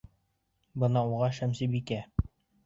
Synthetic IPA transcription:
bɤ̆nɑuʁɑʃæmsibikæ

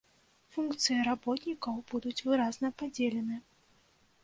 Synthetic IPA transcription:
funkt̪sɨjɐɾabɔt̪nʲikɐwb̥ud̪ut͡sʲvɨɾaznɐpad͡zʲelʲɛnɨ

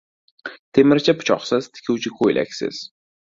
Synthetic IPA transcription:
t̪ʰemɪɾt͡ʃʰapʰʊ̥t͡ʃʰɒ̰qsɪz̥t̪ʰɪ̥kʲʰuwt͡ʃʰɪkʰojlʔa̰kʲsɪ̰z̥

